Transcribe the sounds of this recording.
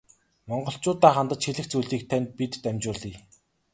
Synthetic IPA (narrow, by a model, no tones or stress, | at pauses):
mɔɴɢɞ̆ɬt͡ɕʊːt̪aːχant̪ə̆t͡ɕxeɮɘ̆xt͡sujɮiːk̚t̪ʰænʲt̪̚pit̪ːæmʲt͡ɕʊːɮiː